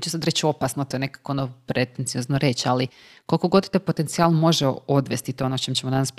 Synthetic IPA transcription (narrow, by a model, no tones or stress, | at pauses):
t͡ɕesad̪ɾe̞t͡ɕo̞pasnot̪ojnekḁkoonopɾet̪ent̪sijoznoɾe̞t͡ɕali | kolko̞ɡo̞d̪t̪opo̞t̪ent̪sialˠmo̞ʒeod̪ʋe̞st̪it̪oonot͡ɕemt͡ɕemonanas